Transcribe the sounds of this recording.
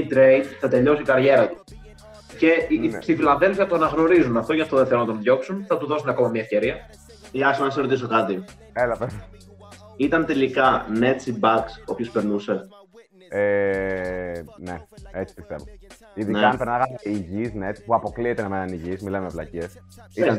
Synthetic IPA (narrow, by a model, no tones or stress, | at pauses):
it̪ɾejd̪θɐt̪e̞ʎo̞siikɐɾʝe̞ɾɐt̪u̥ | ce̞st̪ifilɐnðelfiɐt̪onɐɣno̞ɾizunɐft̪oʝɐft̪oðeθeonɐt̪o̞nðʝo̞ksunθɐt̪uðo̞sunɐko̞mɐmɲɐefce̞ɾiɐ | eɐsɐnɐsɐsɾo̞t̪is̬o̞kɐt̪i | elɐpe | it̪ɐnt̪e̞likɐnet̪sibɐkso̞pço̞speɾnuse̞ | e | neet͡si̥pi̥st̪e̞vo | iðineɐnpeɾnaɐɣɐsiʝisnet̪puɐpo̞kliet̪enɐmenɐniʝismilɐmevlɐ̰cies | iɐn